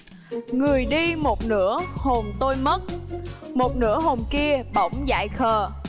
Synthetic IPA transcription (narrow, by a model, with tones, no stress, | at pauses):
ŋɨ˨˩əjɗi˧mo˨˩t̚nɨ̰˧˥əho˨˩mt̪o˧jmə˦˥t̚mo˨˩t̚nɨ̰˧˥əɦo˨˩mki˧əɓə̰˧˩wŋ͡mza̰ː˧˨jxəː˨˩